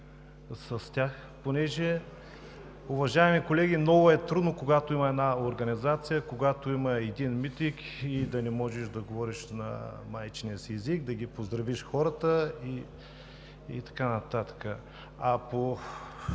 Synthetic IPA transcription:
sɐst̪ʲax | ponɛʒɛ | ʊvɐʒaɛmikolɛɡʲinɔvʊɛt̪ɾud̪nokoɡat̪oimɐɛd̪naoɾɡɐnizat̪sijəkoɡat̪oimɐɛd̪inmit̪ik | id̪ɐnɛmɔʒɛʃd̪ɐɡovɔɾiʃnɐ̰majt͡ʃniəsiɛziɡd̪ɐɡipozd̪ɾɐviʃxɔɾət̪əi | ḭt̪ɐ̥kanɐt̪at̪ə̥kə | ɐpo

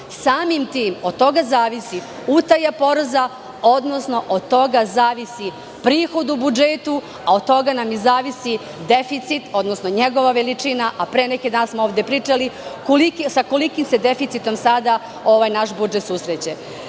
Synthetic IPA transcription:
saːmimt̪iːmo̞d̪̚t̪o̞ɡazaːʋisi | ut̪ajapo̞ɾza | o̞d̪nosno̞ʔod̪̚t̪o̞ɡazaːʋisi | pɾiːxo̞d̪ubud͡ʒet̪u | aod̪̚t̪o̞ɡanamjizaːʋisi | d̪efit̪sit̪o̞d̪no̞snoɲeɡo̞ʋaʋelit͡ʂinaʔapɾeːnekid̪aːnsmooʋd̪epɾiːt͡ʂalikoliksako̞likimsed̪efit̪sit̪o̞msad̪a | o̞ʋaːjnaʃbud͡ʒet̪susɾet͡ɕe

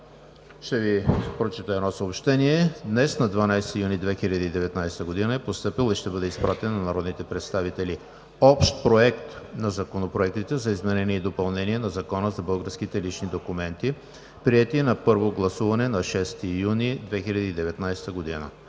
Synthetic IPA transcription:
ʃt̪ɛvipɾot͡ʃit̪əɛd̪nɔsəopʃt̪ɛniɛd̪nɛsnɐd̪vɐnajsɛ̥t̪ijunid̪vɛxilʲɐd̪iːd̪ɛvɛt̪najst̪əɡod̪inəɛpost̪ɤpilˠiʃt̪ɛbɤd̪ɛispɾʔat̪ɛnːɐnɐɾɔd̪nit̪ɛpɾɛt̪st̪avit̪ɛli | ɔpʃt̪̚pɾoɛkt̪nɐzɐkonopɾoɛk̚t̪it̪ɛzɐizmɛnɛniɛid̪opɐlˠnɛniɛnɐzɐkɔnəzɐbɤlˠɡəɾskit̪ɛlit͡ʃnid̪okumɛnt̪i | pɾiɛt̪inɐpɤɾvoɡlˠɐsuvɐnɛnɐʃɛst̪ijunid̪vɛxilʲɐd̪iːd̪ɛvɛt̪najst̪əɡod̪inə̰

